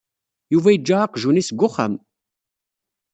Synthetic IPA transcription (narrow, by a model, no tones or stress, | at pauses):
juvæjəd͡ʒːæɑqʒunisɡʷːʊχə̰m